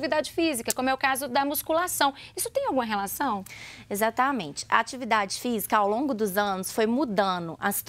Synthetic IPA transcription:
vid̪ad͡ʒɪfizikɐkõmʊɛʊkazʊd̪ɐmuskulasɐ̃w̃isʊ̥t̪ẽj̃awɡũmɐɦelasɐ̃w̃ezat̪ɐmẽt͡ʃɪ̥ʔɐ̰at͡ʃivid̪ad͡ʒɪfizikɐawlõɡʊd̪ʊzɐ̃nʊsfojmud̪ɐ̃d̪ʊʔɐsi̥t̪

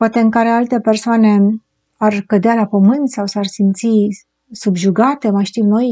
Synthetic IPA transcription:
poat̪e̞ɨŋkaɾe̞alt̪e̞pe̞rsoane̞ | arkəd̪ealapəmɨnt̪sawsarsimt̪si | subʒuɡat̪e̞majʃt̪imno̞j

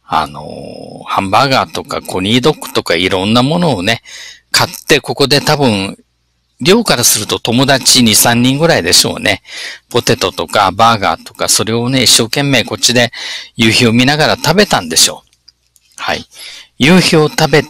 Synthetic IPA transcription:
a̰no̞̰hãmbaːɡaːt̪o̞ka̰kʰo̞ɲ̟ʲiːd̪o̞kːɯ̟̥t̪o̞kaiɾõ̞nːamo̞no̞ːne̞kʰat̪ːe̞ko̞ko̞d̪et̪abɯ̟̃ŋ | ɾʲo̞ːkaɾasɨɾɯ̟t̪o̞t̪o̞mo̞d̪at͡ɕiɲ̟isãɲ̟ːĩŋɡɯ̟ɾaid̪e̞ɕo̞̰ːne̞po̞t̪e̞t̪o̞t̪o̞kabaːɡa̰ːt̪o̞kaso̞ɾe̞o̞ne̞iɕːo̞ːkẽ̞mːe̞ːko̞t͡ɕid̪e̞jɯ̟ːço̞ːmʲinaɡaɾat̪abe̞t̪ãnd̪e̞ɕo̞̰ː | ha̰ḭjɯ̟ːçoːt̪abe̞

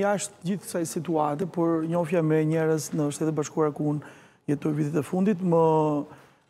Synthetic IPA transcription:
aʃt̪̚d͡ʑiθksajsit̪uat̪̬ɛpɔɾɲɔfjamɛɲɛɾəznəʃt̪ɛt̪baʃkuaɾakun | jɛt̪ɔjviðit̪ɛfund̪it̪mə

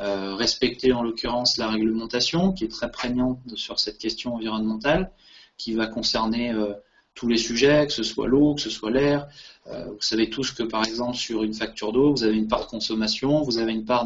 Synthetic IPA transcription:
øʁɛspɛk̚t̪eɑ̃lɔkʲyʁɑ̃slaʁɛɡləmɑ̃t̪asjɔ̃kʲiɛt̪χɛpχɛɲɑ̃t̪syʁsɛt̪̚kʲɛst̪jɔ̃ɑ̃viʁɔnmɑ̃t̪al | kʲivakɔ̃sɛʁneø | t̪ʰulesyʒɛkə̥səswa̰lokə̥səswalɛʁø̰vusavet̪uskəpaʁɛɡzɑ̃pləsyʁynfak̚t̪yʁd̪ovuzaveynpaʁd̪əkɔ̃sɔmasjɔ̃vuzaveynpaʁ

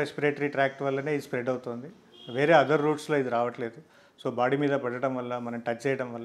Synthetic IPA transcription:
espiɾeːʈɐɾiʈɾaːk̚ʈʋɐlːɐne̞ːspɾeɖɐwut̪oːnd̪i | ʋe̞ːɾe̞ːɐd̪ɐɾːuːʈslo̞ːid̪iɾaːʋɐʈle̞ːd̪u | so̞ːbaːɽimiːd̪ɐpɐɽɐʈɐmʋɐlːɐmɐnɐmʈɐt͡ʃːt͡ʃɛjɐɽɐmʋɐlːɐ

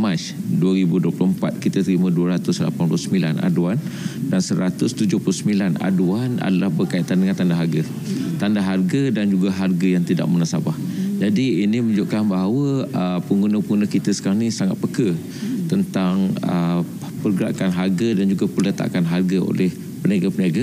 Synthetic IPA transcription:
mat͡ʃduaɾibuduəpluəmpat̪̚kit̪at̪ɾimə̃duaɾat̪ʊsla̰panpulusəmbila̰na̰duandansəɾat̪ʊst̪ud͡ʒʊhplusəmilana̰duana̰dalahbərkait̪andəŋãnt̪andaɦarɡa | t̪andaɦarɡadand͡ʒuɡaɦarɡajaŋt̪ida̰ʔ̚munasabahd͡ʒadiːnĩməd͡ʒʊʔ̚kanbaɦawəəpəŋɡunəpəŋɡunəkit̪əsə̥kaɾaŋnĩsaŋat̪̚pəkə | t̪ənt̪aŋə | pərɡəɾaʔkanɦarɡadand͡ʒuɡapərlət̪a̰kanɦarɡao̰lʔɛh | pənaɡapənaɡa

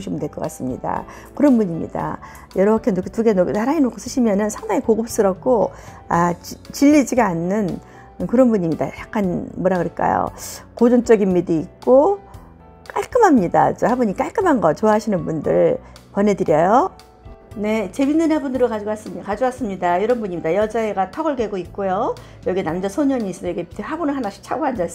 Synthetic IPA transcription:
ɕʰimɯntwe̞ɭkʌk͈as͈ɯmɲḭda̰ | kɯɾʌnbuɲimɲḭda̰ | jʌɾʌkʰenoktuɡe̞nonaɾainokʰos͈ɯɕʰimjʌnɯnsʰaŋdaŋikoɡɯp̚s͈ɯɾʌp̚k͈o | at͡ɕiʎːid͡ʑiɡaanːɯn | kɯɾʌnbuɲimɲida̰jak͈anmwʌɾakɯɾɯɭk͈a̰jo̰kod͡ʑont͡ɕ͈ʌɡinmidiːk̚k͈o | k͈aɭk͈ɯmɦamɲida̰t͡ɕhabuɲik͈aɭk͈ɯmɦanɡʌt͡ɕoaɦaɕʰinɯnbundɯ̰ɭpwʌnɦe̞dɯɾjʌjo | ne̞t͡ɕe̞binːɯnabunɯɾokad͡ʑiwas͈ɯkad͡ʑowas͈ɯmɲidaiɾʌnbuɲimɲidajʌd͡ʑaeɡatʰʌɡɯɭɡwe̞ɡoit̚k͈ojo | jʌɡenamd͡ʑasʰoɲʌɲiːs͈ʌsʌjʌɡetʰehabonɯnɦanaɕʰi̥t͡ɕʰaɡoand͡ʑas

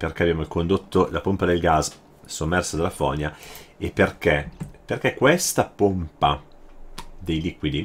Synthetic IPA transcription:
perk̟ɛabjaːmoilkond̪ot̪ʰːolapompad̪elɡas | somːɛrsad̪afɔ̰ɲaepːerk̟eperk̟ekwest̪apompa | d̪ejliːkwid̪i

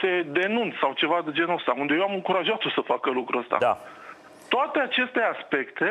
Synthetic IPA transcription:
t̪e̞d̪e̞nunsawt͡ʃe̞vad̪ed͡ʒe̞nəst̪aund̪ejewamɨŋkuɾaʒat̪o̞səfakəlukɾuəst̪a̰a̰ | t̪oat̪e̞at͡ʃe̞st̪e̞aspe̞kt̪e̞

